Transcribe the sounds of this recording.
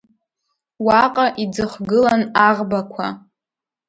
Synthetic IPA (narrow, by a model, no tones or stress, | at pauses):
waqʼaʔid͡zɨχʷɡɨlanaʁbakʷʰa̰